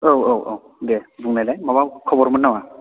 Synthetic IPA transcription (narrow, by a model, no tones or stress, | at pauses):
owowo̰w | dɛbuŋnajlajmabakʰɔbɔɹmanːawa